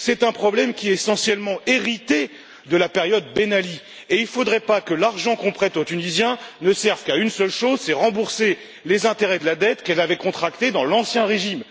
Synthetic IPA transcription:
sɛt̪ɛ̃pχɔblɛmkʲiɛsɑ̃sjɛlmɑ̃eʁit̪e | d̪əlapeʁjɔd̪̚benali | eilfod̪ʁɛpakəlaʁʒɑ̃kɔ̃pχɛt̪ot̪ynizjɛ̃nəsɛʁv̥kaynsœlʃozsɛʁɑ̃buʁse | lezɛ̃t̪eʁɛd̪əlad̪ɛt̪kɛlavɛkɔ̃t̪χakt̪ed̪ɑ̃lɑ̃sjɛ̃ʁeʒim

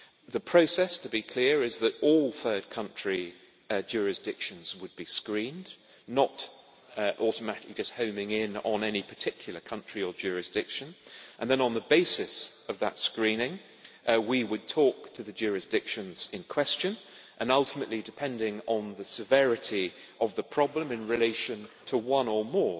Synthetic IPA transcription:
ðɨpʰɹ̥oʊsɛstʰəbikʰl̥ɪɹɪzðəɾɔlˠθɜ˞d̚kʰʌ̃nt͡ʃɹ̥i | d͡ʒʊɹɨsd̥ɪkʃɨ̃nzwəd̚biskɹĩn | nəɾ | ʔɔɾəmæɾɪklid͡ʒʌst̚hõʊ̃mɪ̃ŋɪ̃nə̃nɛnipʰə˞tʰɪkʰjl̩ˠə˞kʰʌ̃nt͡ʃɹ̥iə˞d͡ʒʊɹɨsd̥ɪkʃɨ̃nʔə̃nðɨ̃nə̃nðəbeɪsɪsʌvðə̰tskɹĩnɪ̃ŋ | wiwəd̚tʰɔk̚tʰɨðɨd͡ʒʊɹɨsd̥ɪkʃɨ̃nz̥ɪ̃nkʰw̥ɛst͡ʃɨ̃n | ʔə̃nʌlˠtʰəmɨʔlidɨpʰɛ̃ndɪ̃ŋə̃nðɨsɨvɛɹɨɾi | ʔʌvðəpʰɹ̥ɑblə̃mɨ̃nɹɨleɪʃɨ̃ntʰəwʌ̃nəmɔɹ

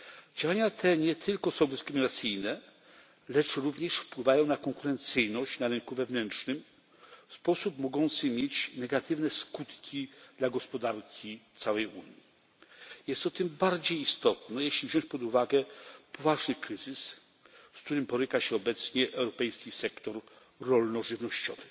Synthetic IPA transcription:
d͡ʑawaɲat̪ʰɛɲɛt̪ʰɘlkɔsɔ̃w̃d̪ɪskɾɘmʲinat̪sɘjnɛ | lɛt͡ʂɾuvɲɛʂfpwɘvajɔ̃w̃nakɔŋkuɾɛnt̪sɘjnɔɕt͡ɕnaɾɘŋkuvɛvnɛnt͡ʂnɘm | fspɔsupmɔɡɔnt̪sɘmʲjet͡ɕnɛɡat̪ɘvnɛskut̪kʲid̪̥laɡɔspɔd̪aɾkʲit̪sawɛjṵɲji | jɛst̪ːɔt̪ɘmbaɾd͡ʑejːst̪ɔt̪nɛjɛɕlʲivʑɔw̃t͡ɕpɔd̪uvaɡɛpʰɔvaʐnɘkɾɘzɘs | fskt̪uɾɘmpɔɾɘkaɕɛɔbɛt̪sɲɛʔɛwɾɔpɛjskʲisɛkt̪ɔɾː | ɔlnɔʐɘvnɔɕt͡ɕɔvɘ

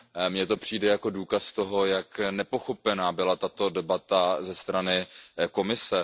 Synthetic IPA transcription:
mɲɛt̪o̞pr̥iːdɛjako̞duːkast̪o̞ɦo̞jaknɛpo̞xo̞pɛnaːbɪlat̪at̪o̞dɛbat̪azɛst̪ɾanɪko̞mɪsɛ

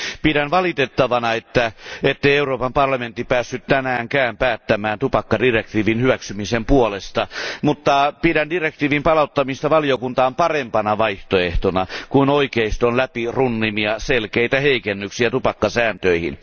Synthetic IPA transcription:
piɾænʋɑlit̪et̪ːɑʋɑnɑet̪ːæet̪ːeieuroːpɑmpɑrlɑmẽnt̪ːipæːsːyt̪t̪ænæːŋkæːmpæːt̪ːæmæːnt̪upɑkːɑdirekt̪iːʋinhyʋæksymisempuolest̪ɑmut̪ːɑpiɾændirek̚t̪iːʋimpɑlɑut̪ːɑmist̪ɑʋɑlijokunt̪ɑːmpɑrempɑnɑʋɑiht̪oeht̪onɑkunoikeist̪onlæpirunːimiɑselkeit̪æheikenːyksiæt̪upɑkːɑsæːnt̪øihḭn

